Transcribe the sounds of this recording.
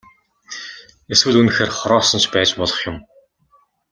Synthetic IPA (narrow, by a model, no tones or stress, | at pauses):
eswɘ̆ɮunɘ̆xeːrχɔɾɔːsɞ̆nt͡ɕʰpæːt͡ɕpɔɮɞ̆χjʊ̆m